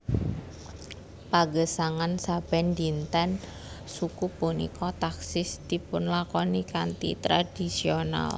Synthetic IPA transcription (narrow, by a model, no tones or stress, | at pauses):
paɡəsaŋansab̥ɛndint̪ɛn | sukubunḭkɔt̪aksɪsd̪ipʊnlakɔnikant̪ḭt̪ɾad̥i̤siona̰l